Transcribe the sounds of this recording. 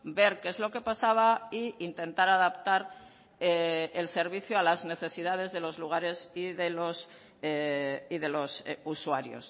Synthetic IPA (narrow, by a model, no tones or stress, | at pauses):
be̞ɾke̞zlo̞ke̞pasaβ̞aiint̪e̞nt̪aɾaðapt̪aɾ | eelse̞ɾβiθjoalazne̞θe̞siðað̞e̞zðe̞lo̞zluɣ̞aɾe̞siðelos | eiðe̞lo̞suswaɾjo̞̰s